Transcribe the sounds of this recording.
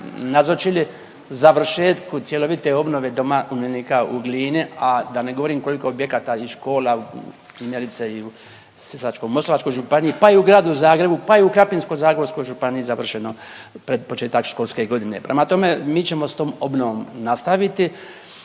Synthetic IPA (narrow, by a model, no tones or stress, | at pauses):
nazot͡ʃili | zaʋr̩ʃeːt̪kut̪sje̞loʋit̪eo̞bnoʋed̪o̞maumjenikauɡliːniad̪ane̞ɡoʋo̞ɾiːmko̞likoobjekaːt̪aiʃko̞ːla | pɾimjeɾit̪seiu | sisat͡ʃkojmo̞slˠoʋat͡ʃko̞jʒupanijipaiuɡɾaːd̪uzaːɡɾe̞bupaiukɾapinsko̞jzaːɡɾeɾsko̞jʒupaniizaʋr̩ʃeno | pɾed̪pot͡ʃe̞ːt̪akʃko̞lˠskeɡo̞d̪ine̞pɾʔemat̪o̞me̞miːt͡ɕe̞mo̞st̪oːmo̞bnoʋo̞mnast̪aʋit̪i